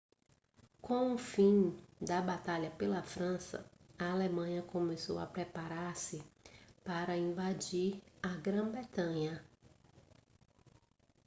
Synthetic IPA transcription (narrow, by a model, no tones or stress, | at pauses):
kõũfĩd̪ɐbat̪aʎɐpelɐfɾɐ̃sɐ̰ɐalemɐ̃ɲɐkõmeso̰wɐpɾepaɾaɾsɪpaɾɐĩvad͡ʒiɾɐɡɾɐ̃bɾet̪ɐ̃ɲɐ